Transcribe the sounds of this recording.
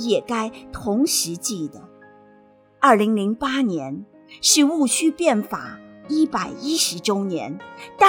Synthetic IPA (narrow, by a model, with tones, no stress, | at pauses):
jɛ˨˩ka˥ɪt̪ʰʊ˧˥ŋʂɻ̩˧˥t͡ɕi˥˩d̪ə˩ | ɐ˞˥˩li˧˥ŋli˧˥ŋpa˥njɛ˧˥n | ʂɻ̩˥˧u˥˩ɕʰy˥pjɛ˥˩nfa̰˨˩˦i˥pa˨˩ɪi˥ʂɻ̩˧˥ʈ͡ʂo˥ʊnjɛ˧˥nt̪a˥˩